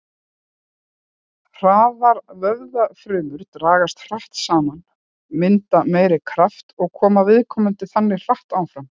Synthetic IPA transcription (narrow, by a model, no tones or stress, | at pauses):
r̥aːvaɾvœɣðafɾʏːmʏɾt̪ɾaːɣast̪r̥aht̪saːman | mɪnt̪ameːjɾɪkʰɾaft̪ɔɣkʰɔːmavɪðkʰɔːmʏnt̪ɪθanːɪr̥aht̪aːwfɾam